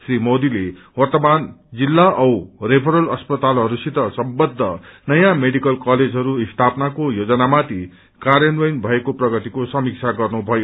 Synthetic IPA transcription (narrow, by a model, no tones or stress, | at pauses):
srimod̪ile | wʌrt̪ʌmand͡zilːaʔʌwrepʰʌɾʌlʌspʌt̪alɦʌɾusit̪ʌsʌmbʌd̪ʱːʌnʌjãmeɽikʌlkʌled͡zɦʌɾuist̪ʰapnakojod͡zʌnamat̪i | kaɾjʌnwʌjnbʱʌekoprʌɡʌt̪ikosʌmik̚t͡sʰaɡʌrnubʱʌjo